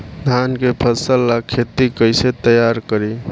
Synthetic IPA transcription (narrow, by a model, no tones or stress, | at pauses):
d̪ʱankepʰəsəlːakʰet̪ikəɪset̪əjaɾkəɾi